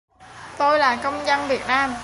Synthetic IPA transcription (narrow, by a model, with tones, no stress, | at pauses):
t̪o˧jlaː˨˩kə˧wŋ͡mzə˧nvi˨˩ət̚naː˧m